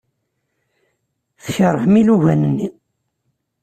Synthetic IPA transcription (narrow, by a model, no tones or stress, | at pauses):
θçəɾˤəhmiluʝænənːi